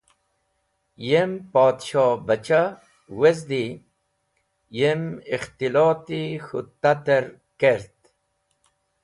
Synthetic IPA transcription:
jempoːd̪ɕoːbat͡ɕa | wezd̪i | jemixt̪iloːt̪ixut̪ːat̪eɾ | keɾt̪

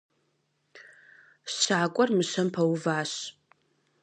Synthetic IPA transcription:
sɕaːkʷʼɔrmɨɕɐmpʰɐwuvaːɕ

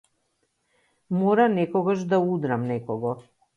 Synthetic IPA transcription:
mɔɾanɛkɔɡaʃd̪aud̪ɾamnɛkɔɡɔ

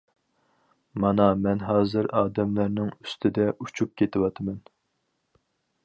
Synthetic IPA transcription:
mɑnɑmɛnɦɑːzɨɾɑːd̪ɛmlæɾnɪŋyst̪ʰɪd̪ɛut͡ʃʰup̚kʲet̪ʰɪwɑt̪ʰɨmɛn

